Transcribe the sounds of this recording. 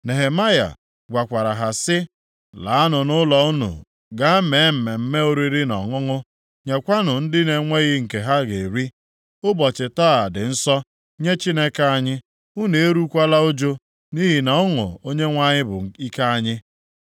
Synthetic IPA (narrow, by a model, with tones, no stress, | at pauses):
ne˨ɦe˨ma˦ja̰˨ | ɡʷa˨kʷa˨ɾa˨ɦa˨sɪ˦ | la̰˨a˦nʊ˨nʊ˦lɔ˨˦nṵ˨ | ɡa˦me˨˦m̩˨me˨m̩˦me˦o˦ɾi˦ɾi˦nɔ˨ŋʊ˦ŋʊ˦ | ɲe˨kʷa˦nʊ˨n̩˦dɪ˦ne˨ŋʷe˦ɣɪ˦ŋ̩˨ke˨ɦa˦ɡe˨ɾi˦ | ʊ˦bɔ˨t͡ʃɪ˨taː˦a˨dɪ˨n̩˦sɔ˦ | ɲe˦t͡ʃi˦ne˦ka˦a˦ɲɪ˦ | u˦ne˨e˦ɾu˦kʷa˦la˦o˦d͡ʒo˦ | ni˦ɦi˨na˨˦ʊ˦ŋʊ̰˨o˦ɲe˦ŋʷa˦ɲɪ˦bʊ̰˨i˦ka˦a˦ɲɪ˦